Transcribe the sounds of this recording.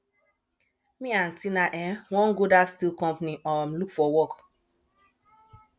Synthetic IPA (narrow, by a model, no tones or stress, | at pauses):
mĩãntĩnaʔɛ̃wɔ̃nɡodastilkɔ̃mpniʔɔmlukfɔwɔk